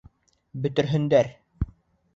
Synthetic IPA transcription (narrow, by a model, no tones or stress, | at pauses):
bɵ̆t̪ɘ̆ɾɦɵ̆nd̪æɾ